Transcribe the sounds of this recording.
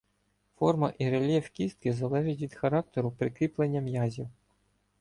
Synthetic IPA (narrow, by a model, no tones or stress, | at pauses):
fɔrmɐʔiɾelʲjɛwkʲist̪̚kɪzɐlˠɛʒɪtʲʋʲid̪xɐɾɑk̚t̪eɾʊpɾɪkɾʲiplˠenʲːɐmjɑzʲiw